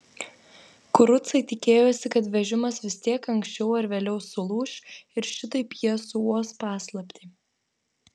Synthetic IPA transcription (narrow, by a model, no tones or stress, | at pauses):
kʊɾʊt̪sɐɪt̪ʲɪkʲeːjoːsʲɪkɐt̪ʋʲɛʒʲɪmɐsʋʲɪst̪ʲiɛkɐŋksʲt͡ʃʲɛʊɐɾʋʲeːlʲɛʊsʊlˠuːʃʲɪɾʃʲɪt̪ʊɪpʲjiɛsuɔspɑːslˠɐpʲt̪ʲeː